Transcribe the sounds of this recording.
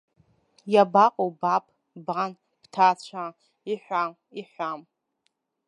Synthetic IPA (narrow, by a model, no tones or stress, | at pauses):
jabaqʼowbapʼ | ban | b̥tʰat͡ɕʷʰa | iħʷam | iħʷam